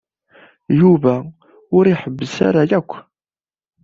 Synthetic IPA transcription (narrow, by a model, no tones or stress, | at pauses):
juvæ | ʊɾiħəbːəsa̰ɾajækʷː